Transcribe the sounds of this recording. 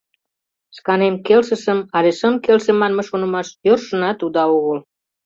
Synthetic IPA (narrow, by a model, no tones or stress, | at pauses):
skɑnemkelsəʃəmɑleʃəmkelsemɑnmeʃonə̆mɑʃjørʃə̆nɑt̪ud̪ɑoɣəl